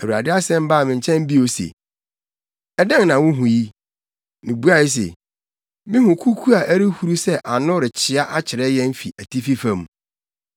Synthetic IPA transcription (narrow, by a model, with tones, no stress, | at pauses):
ɛ˨wu˨ɾa˨dɪ˦a˦sɛ̃˦m˦baː˦˨mɪ̃˨ɲ˨t͡ɕʰɛ̃˦m˦bi˦o˨sḛ˨ | ɛ˦dã˦ŋnã˨wʊ̃˦ɦʊ̃˨ji˦ | mɪ̃˨bu˦a˦˨i˦s̬ḛ˨ | mɪ̃˦hʊ̃˨kʰu˦kʰu˦a˨ʔæ˦ɾi˦hu˦ɾu˦sɛ˦ʔa˨nʊ̃˦ɾɪ˨t͡ɕʰɪ˨a˦ʔa˦t͡ɕʰɪ˨ɾɛ˦jɛ̃˦m̩˦fi˨ʔæ˨tʰi˦fi˦fã˦˨m˨